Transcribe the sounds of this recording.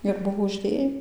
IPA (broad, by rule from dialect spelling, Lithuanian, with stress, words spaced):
ɪr ˈbʊʋoː ʊʒʲˈdʲeː